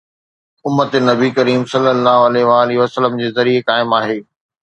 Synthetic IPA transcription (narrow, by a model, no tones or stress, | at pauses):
ʊmːət̪enɐbikɐɾiːmsɐlːəlːaːɦʊɐleɦʋaːlɪɦʋɐsəlːəmd͡ʑeːzɐɾiekaːɪmaːɦeː